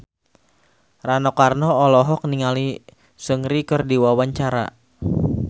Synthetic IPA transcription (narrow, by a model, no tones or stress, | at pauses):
ranɔkarnɔːlɔɦɔk̚niŋali | səŋɾikərdiwawaɲt͡ʃaɾa̰